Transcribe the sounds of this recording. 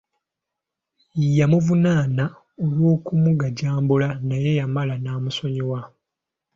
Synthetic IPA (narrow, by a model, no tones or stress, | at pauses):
ijamuvunaːna | olwo̞ːkumuɡaɟaːmbulanaje̞jamalanaːmuso̞ɲewa